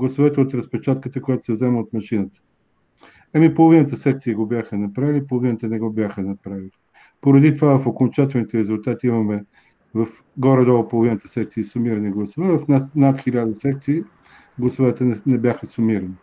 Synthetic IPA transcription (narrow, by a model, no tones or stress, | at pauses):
ɡlˠɐsovɛt̪əot̪ɾɐspɛt͡ʃat̪̚kət̪əkojat̪o̥sɛvzɛməot̪mɐʃinət̪ə̥ | ɐmipolˠovinət̪əsɛkt̪sijəɡobʲjaxənɐpɾavilʲipolˠovinət̪ənɛɡɔbʲjaxənɐpɾavili | poɾɐd̪it̪ovavɐfokont͡ʃat̪ɛlˠnit̪ɛɾɛzʊlˠt̪at̪iimɐmɛ | vɐf | ɡɔɾɛd̪ɔlˠpolˠovinət̪ə̥sɛk̚t̪siːsʊmiɾəɐniɡlˠɐsovɛvɐfnasnat̪xʲilʲad̪əsɛkt̪siː | ɡlˠɐsovɛt̪ənɛnɛbʲjaxəsʊmiɾəni